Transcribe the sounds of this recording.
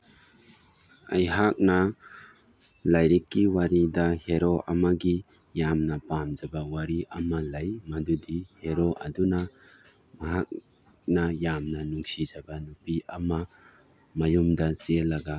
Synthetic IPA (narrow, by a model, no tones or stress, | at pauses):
ɐ̰jɦak̚nɐ | lajɾikːiwaɾidɐheɾoʔɐ̰mɐɡi | jamnɐpamd͡ʒɐbɐwaɾiʔɐmɐlɐjmɐdudiheɾoʔɐ̰dunɐ | mɐɦak̚ | nɐjamnɐnuŋsid͡ʒɐbɐnupiʔɐmɐ | mɐjumdɐselːɐɡɐ